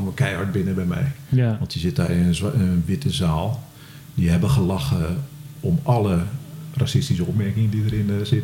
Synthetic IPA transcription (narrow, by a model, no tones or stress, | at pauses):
nəkɛjaɹt̚bɪnəbɛjmɛ̰jʋɑ̃ntəzɪtaɪnənənʋɪtəzaːlˠ | diɦɛbəχəlax | ɔmalˠərasɪstisəɔpmɛrkɪŋədidəɾɪnzɪt